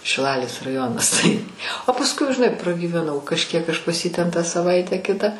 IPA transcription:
ʃʲɪˈlˠɑːlʲeːs rɐˈjoːnɐs tɐɪ oː pɐsˈkʊɪ ʒʲɪˈnɐɪ prɐɡʲiːʋʲɛˈnɐʊ kɐʃʲˈkʲiɛk ˈɐʃ pɐs ˈjiː ˈtʲɛn tɑː sɐˈʋɐɪtʲæː ˈkʲɪtɑː

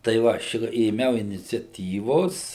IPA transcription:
tɐɪ ˈʋɐ ɐʃ eːˈmʲɛʊ ɪnʲɪt͡sʲɛˈtʲiːʋoːs

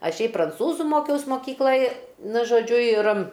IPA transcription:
ˈɐʃ ˈʃʲɛɪp prɐnˈt͡suːzʊ ˈmoːkʲɛʊs moːˈkʲiːklˠɐj ˈnʊ ʒoːˈd͡ʒʲʊ ɪr

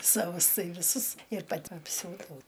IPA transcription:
sɐˈʋʊs ˈtɐɪ ʋʲɪˈsʊs ɪr pɐˈtʲɪ ɐpʲˈsʲuːdɐʊ

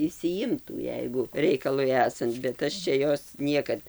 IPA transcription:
ɪʃʲsʲɪˈjɪmtuː ˈjɛɪɡʊ ˈrʲɛɪkɐlˠʊɪ ˈæːsɐnt bʲɛt ˈɐʃ ˈt͡ʃʲɛ ˈjoːs ˈnʲiɛkɐt

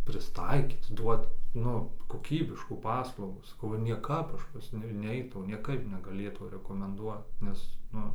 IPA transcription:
pʲrʲɪsˈtɐɪkʲiːt ˈduɔt ˈnʊ koːˈkʲiːbʲɪʃkuː ˈpɑːslˠɐʊɡuː sɐˈkɐʊ nʲiɛˈkɐp ˈɐʃ pɐs ˈnʲʊ ˈnʲɛɪtɐʊ nʲiɛˈkɐɪp nʲɛɡɐˈlʲeːtɐʊ rʲɛkoːmʲɛnˈduɔt ˈnʲɛs ˈnʊ

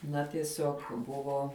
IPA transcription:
ˈnɐ tʲiɛˈsʲoːk ˈbʊʋoː

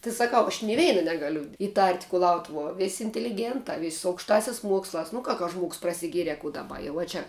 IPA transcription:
tʲɪ sɐˈkɐʊ ɐʃ nʲɪ ˈʋʲɛɪnɐ ˈnʲæːɡɐlʲʊ ɪˈtɐrʲtʲ kʊˈlˠɐʊtʊʋuɔ ˈʋʲɪsʲ ɪnʲtʲɛlʲɪˈɡʲeːntɑː ʋʲɪsʲ sʊ ɐʊkʃˈtɑːsʲɛs ˈmuɔkslˠɑːs nʊ ˈkɐ kɐ ʒmuɔks prɐsʲɪˈɡʲiɛrʲɛ kuː dɐˈbɐ ɐ ˈjɛʊ ˈt͡ʃʲɛ

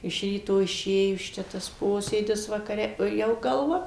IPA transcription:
ɪʃ ˈrʲiːtoː ɪˈʃʲeːjʊs ˈt͡ʃʲɛ tɐs ˈpoːsʲeːdʲɪs ʋɐkɐˈrʲɛ oː ˈjɛʊ ɡɐlˠˈʋɐ

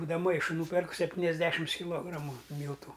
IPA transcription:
buːdɐʋɐ ˈmɐɪʃʊ ˈnuːpʲɛrk sʲɛpʲˈtʲiːnʲɛzʲˌdʲæːʃʲɪms kʲɪˈlˠoːɡrɐmʊ ˈmʲiːlˠtʊ

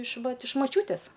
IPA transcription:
ɪʃ ˈʋɐt ɪʃ mɐˈt͡ʃʲuːtʲeːs

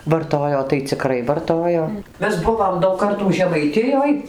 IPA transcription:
ʋɐrˈtoːjoː tɐɪ t͡sʲɪˈkrɐɪ ʋɐrˈtoːjoː ˈmʲɛs ˈbʊʋoːm dɐʊk ˈkɐrtuː ʒʲɛmɐɪˈtʲɪjoːj

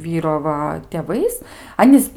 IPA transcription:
ˈʋʲiːroː ˈʋɐ tʲeːˈʋɐɪs ˈɑːnʲiːs

